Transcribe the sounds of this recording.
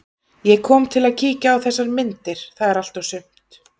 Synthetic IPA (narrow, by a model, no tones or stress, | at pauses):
jɛkʰɔːmt̪ʰɪlaðcʰiːcaːwθɛsːaɾmɪnt̪ɪɾ̥θaðɛɾal̥t̪awsʏm̥t̪